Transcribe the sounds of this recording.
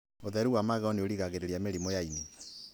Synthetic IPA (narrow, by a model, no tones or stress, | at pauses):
oðɛɾuwamaɣɛɔneoɾiɣaɣeɾeɾiameɾimɔjaine